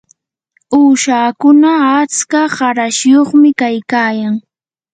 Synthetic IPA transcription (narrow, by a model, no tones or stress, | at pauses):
uːʃaːkʊnaːt͡skaɢɑɾaʃjoχmɪkajkaːjaŋ